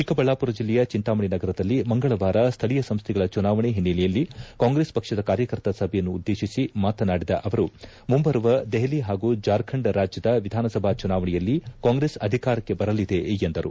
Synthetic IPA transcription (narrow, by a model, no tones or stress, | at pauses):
t͡ʃikɐbɐɭːaːpuɾɐd͡ʒilːɛjɐt͡ʃint̪aːmɐɳinɐɡɐɾɐd̪ɐlːimɐŋɡɐɭɐʋaːɾɐst̪ʰɐɭijɐsɐmst̪ʰɛɡɐɭɐt͡ʃunaːʋɐɳeɦinːilɛjɐlːikaːŋɡɾeːspɐkʂɐd̪ɐkaːɾjɐkɐɾt̪ɐsɐbʱɛjɐnːuːd̪ːe̞ːʃisimaːt̪ɐnaːɽid̪ɐ̰ʔɐʋɐɾu | mumbɐɾɐʋɐd̪eɦɐliɦaːɡuːd͡ʒaːɾkʰɐɳɖɾaːd͡ʒjɐd̪ɐʋid̪ʱaːnɐsɐbʱat͡ʃunaːʋɐɳɛjɐlːikaːŋɡɾeːsɐd̪ʱikaːɾɐkːe̞bɐɾɐlid̪e̞jend̪ɐɾṵ